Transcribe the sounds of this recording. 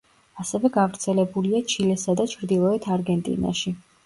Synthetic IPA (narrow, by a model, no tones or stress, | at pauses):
asɛvɛɡavɾt̪sʰɛlɛbuliat͡ʃʰilɛsad̪at͡ʃʰɾd̪ilˠɔɛt̪ʰaɾɡɛnt̪ʼḭna̰ʃi